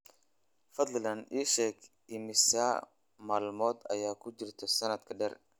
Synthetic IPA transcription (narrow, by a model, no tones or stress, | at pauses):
fɐd̪llɐniːʃɛːɡ | ɪmɪsa̰ | maːlmɔːd̪ɐ̰jaːkʰʊd͡ʒɪrt̪ʰɛsɐnɐd̪kʰɐɖɛr